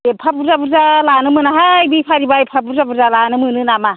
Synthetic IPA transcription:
epʰabuzabuzalanɯmɯnaɦajbipʰaɾibajpʰabuzabuzalanɯmɯnɯnama

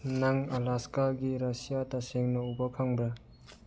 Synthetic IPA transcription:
naŋalaskaɡiɾasijataseŋnɐubakʰaŋbɾa

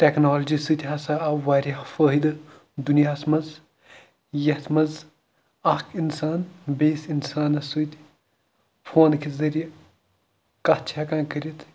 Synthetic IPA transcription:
ʈeknaːld͡ʒisɨt̪ʲɦɐsaɐʋaːɾʲɐhfəːɦid̪ɨ | d̪unijaːsmɐz | jɐt̪mɐz | ɐkʰinsaːnbeːsinsaːnɐsut̪ʲ | fʰoːnkizɐɾij | kɐt͡ʃʰakãːnkəɾit̪

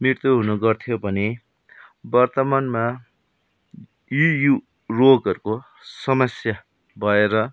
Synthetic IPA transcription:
mirt̪uɦunʌɡʌrt̪ʰijobʱʌne | bʌrt̪ʌmanma | jiju | roɡʌɾko | sʌmʌsja | bʱʌeɾʌ

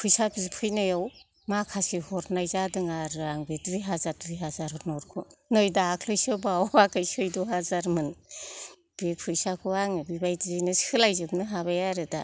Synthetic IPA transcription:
pʰɯjsapʰizipʰɯjnajaw | makʰasihɔɾnajzadɯŋaɾɾaŋbetubijɦazaɾtubiɦazaɾɯnɔɾkʰunɯjdaːkʰlɯjsɯbawakajsɯjduɦazaɾmɯn | b̥epʰɯjsakʰɯaŋɯbibajdizɯjnɯsɯlajzɯb̚nɯɦaβajaɾɯda

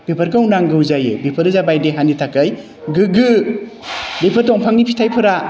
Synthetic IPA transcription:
b̥epʰɐɾkawnaŋɡɯwzajɯbepʰɐɾɯzabajdeɦanitʰakːɯj | ɡɯɡɯ | depʰatɔŋpʰaŋnipʰitʰajpʰɯɾa

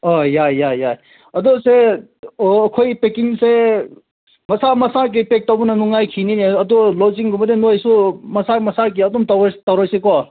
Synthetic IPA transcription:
ɔjajaja | ɐd̪ɔseɔːkʰojpekiŋse | mɐsamɐsaɾk̬ipek̚tabunanuŋajkʰinineɐd̪ɔlɔziŋɡumɐd̪enojsumɐsaɾmɐsaɾk̬iɐd̪umtɔtɐwɾɔjsekɔ

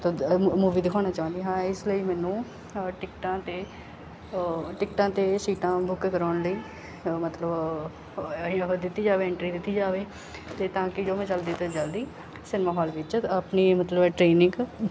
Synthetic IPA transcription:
t̪oːmuːʋiːd̪ɪkʰɔːñaːt͡ʃaːʊ̃nd̪iːɦãːɪsləiːmɛːnũː | ʈɪkʈãːt̪eː | ʈɪkʈãːt̪eːsiːʈãːbʊkːkəɾaːnləiː | mət̪ləb | ɦd̪ɪt̪ːiːd͡ʒaːʋeːɪɳʈɾiːd̪ɪt̪ːiːd͡ʒaːʋeː | t̪eːt̪ãːkɪd͡ʒoːmɛ̃ːt͡ʃəld̪iːt̪ed͡ʒəld̪iː | sɪnmaːɦɔːlʋɪt͡ʃəpniːmət̪ləbɛʈɾeːnɪ̃ŋɡ

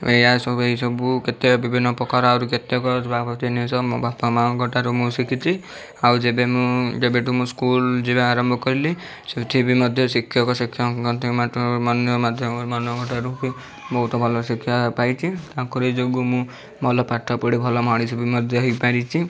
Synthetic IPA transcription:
ejasɔbueɦisɔbuket̪ebibʱinːɔpɔkaɾɔaɾuket̪ɔkɔbapɔt̪inisɔbapamaɔɡʱɔʈaɾumũsikʰit͡ʃʰi | awd͡ʒebemũd͡ʒebeʈumũskuld͡ʒibaaɾɔmbʱɔkɔɾili | set̪ʰibimɔd̪ʱjɔsikʰːjɔkɔsikʰːjɔkɔnt̪ʰɔkmat̪ɔmɔnjɔmad̪ʱjɔmɔmɔnɔɡʱɔʈaɾuki | bɔɦut̪ɔbʱɔlɔsikʰːjɔpajt͡ʃʰit̪akɔɾid͡ʒoɡumũ | mɔlɔpaʈʰːɔpɔɽibʱɔlɔmaɽ̃isɔbimɔd̪ʱjɔɦjpaɾit͡ʃʰi

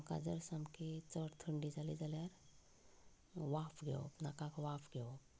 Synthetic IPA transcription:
ka̰d͡zəɾsamket͡səɽt̪ʰəɳɖid͡zalid͡zaljaɾ | ʋapʰɡḛo̰nakãkʋapʰɡeo

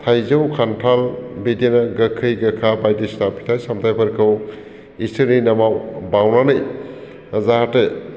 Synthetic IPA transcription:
tʰajzɯwkʰantʰalbidenaɡəkʰɯjɡəkʰabajdisnapʰi̥tʰajsamtʰajpʰɐɾkʰɯw | istʰɯɾninɐmawbawnanɯj | zahatɯ

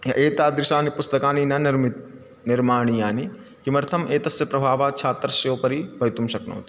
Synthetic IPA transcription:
jɐ̰ʔeːt̪aːd̪ɾɪʃaːnipʊst̪ɐkaːninɐnɾmit̪ | nɪɾmaːɳ̃ijaːni | kimɐɾt̪ʰɐmʔeːt̪ɐsjɐpɾɐbʱaːʋaːt͡ʃʰaːt̪ɾɐsɐjoːpɐɾibʱɐjt̪umʃɐkno̰ːt̪i̥

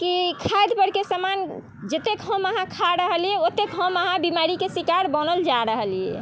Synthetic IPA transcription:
kikʰajd̪pəɾkesəman | d͡ʒət̪ekɦəməɦãkʰaɾəɦəljɛot̪ːekɦəməɦãbimaɾikesikaɾbənəld͡ʒaɾəɦəljɛ̰

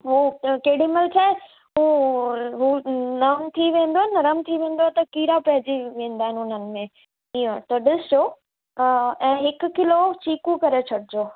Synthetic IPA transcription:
ɦukeɦɪɽiməlt͡ɕʰaːɦe | ɦuːɦunɐmt̪ʰiʋẽːn̆d̪oaɛnɐɾəmt̪ʰiʋẽːnd̪oat̪ɐkiːɾapɐɦɪd͡ʑiʋẽːn̆d̪aːɦɪnɪʊn̤ənɪ̆mẽ | iːõt̪ɐɗɪsd͡ʑoː | ɛ̃ːɦɪkʊ̆kɪlot͡ɕiːkũkɐɾet͡ɕʰɐɽɪd͡ʑoː

